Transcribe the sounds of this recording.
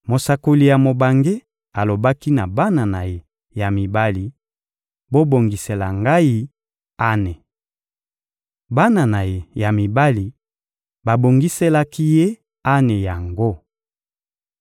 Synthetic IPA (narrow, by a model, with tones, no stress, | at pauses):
mo˨sa˨ko˨li˨ja˨mo˨ba˨ŋɡe˦ | a˨lo˨ba˦ki˦na˨ba˦na˨na˨je˨ | ja˨mi˨ba˦li˨ | bo˦bo˨ŋɡi˨se˨la˨ŋɡa˦i˦ | a˦ne˨ | ba˦na˨na˨je˨ja˨mi˨ba˦li˨ | ba˨bo˨ŋɡi˦se˦la˦ki˦je˦ | a˦ne˨ja˨ŋɡo˦